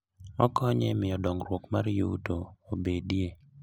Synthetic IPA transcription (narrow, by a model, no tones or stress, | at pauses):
ɔ̰kɔɲɛ̰mɪjɔdɔŋɾwokmaɾjoṵtoobedje